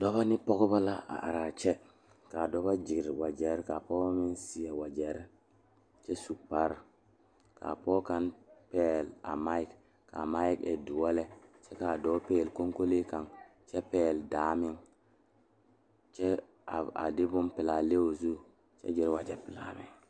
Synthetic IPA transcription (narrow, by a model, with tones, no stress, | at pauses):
dɔ˦βa˦nɪ˦pɔ˦ɡba˦la˦a̰˨ʔa˨ɾa˨t͡ʃɛ˦ | ka˨dɔ˦ba˦d͡ʒɪ˨ɾwa˨d͡ʒɛ˨ɾka˨pɔ˦mɪ˦nsi˨a˨wa˨d͡ʒɛ˨˦ɾ | t͡ʃɛ˦su˨k̚pa˦ɾ | ka̰˨pɔː˦ka˦npɛː˦la̰˨ma˦i˦k | ka̰˨ma˦i˦kɛ̰˨du˨wa˦lɛ˦t͡ʃɛ˦ka˨dɔ˨˦peː˦˨lko˦ŋko˦le˦ka˨ŋt͡ʃɛ˦pɛː˦˨ldaː˨˦mɪ˦ŋ | t͡ʃɛ˦ | a˨a̰˨dɪ˦bʊ˦npɪ˨la˨le˦o˨zu˦ | t͡ʃɛ̰˦d͡ʒɪ˨ɾwa˨d͡ʒɛ˨pɪ˨la˨mɪ˨ŋ